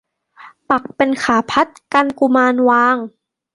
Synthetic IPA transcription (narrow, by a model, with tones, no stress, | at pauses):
pa˨˩k̚pe˧nkʰaː˩˦pʰa˦˥t̪̚ka˧nku˧maː˧nwaː˧ŋ